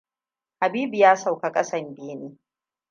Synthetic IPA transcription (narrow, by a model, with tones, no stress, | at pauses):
ha˨biː˦bi˨jaː˦sa˨wka˦kʼɐ˦sɐ˦˨mbeː˦neː˦